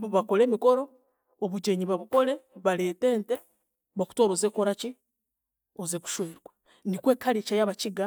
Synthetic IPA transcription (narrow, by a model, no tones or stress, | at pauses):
βako̞le̞ːmiko̞ɾo̞ː | βuɟeɲiβaβuko̞leβale̞ːte̞ːnte | βaku̥toːɾozeːkoɾaci | ozeku̥ʃweːɾwa | nikwe̞ːkʰaɾit͡ʃajaβaciɡa